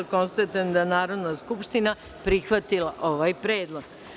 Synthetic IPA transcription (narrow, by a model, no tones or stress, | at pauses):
ko̞nst̪at̪end̪anaːɾo̞d̪naskupʃt̪ina | pɾixʋat̪ilaʔo̞ʋajpɾeːd̪lˠo̞ɡ̥